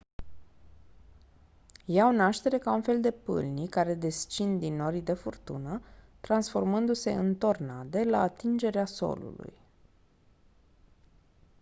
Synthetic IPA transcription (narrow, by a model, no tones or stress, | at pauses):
jaonaʃt̪e̞ɾe̞kaunfe̞ld̪e̞pɨ̰lnikaɾe̞d̪e̞st͡ʃind̪ino̞ɾid̪e̞furt̪ṵnət̪ɾansfo̞rmɨnd̪use̞̰ɨnt̪o̞rnad̪e̞la̰ːt̪ind͡ʒe̞ɾeaso̞̰lṵlṵj